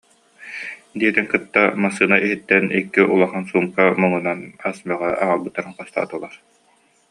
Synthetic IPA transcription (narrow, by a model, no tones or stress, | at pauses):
d̪iɛt̪iŋkɯt̪ːamasɯːnaʔiɦit̪ːɛnikːiʔulˠaχansuːmkamɯŋunanasmœʁɛʔaŋalˠbɯt̪ːaɾɯŋqɔst̪a̰ːt̪ulˠaɾ